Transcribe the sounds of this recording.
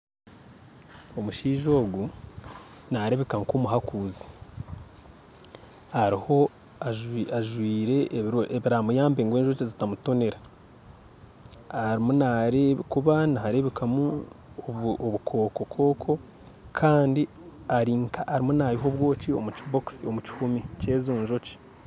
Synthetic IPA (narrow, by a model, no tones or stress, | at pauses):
o̞muʃiːʒo̞ːɡu | naɾe̞βekaŋkomuɦakuːzi̥ | aɾiho̞ | aʒaʒwiːɾe̞oʔeβiɾaːmujaːmbeŋɡwe̞ːnʒot͡ʃezitamuto̞ne̞ɾa | aɾimunaɾeβkuβanahaɾe̞βekamu | oβukʰo̞ːkokʰo̞ːkʰo̞ | kʰaːndi | aɾiːŋkaʔːɾimunaɾiɦo̞βwo̞ːt͡ʃio̞̰muciboksio̞muci̥humice̞ːzuːnʒo̞ci̥